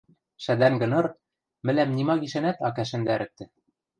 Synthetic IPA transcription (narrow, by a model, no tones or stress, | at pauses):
ʃæd̪æŋɡɤ̆nɤ̆ɾ | mɘ̆læmnimɑɡiʃænæt̪ɑkæʃɘ̆nd̪æɾɘ̆t̪ːɘ̆